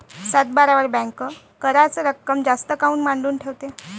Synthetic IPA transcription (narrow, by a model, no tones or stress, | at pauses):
sat̪̚baɾaʋəɾbɛ̃ŋkə | kəɾat͡səɾəkːəmd͡zast̪əkauːnmaɳɖuːnʈʰeʋt̪e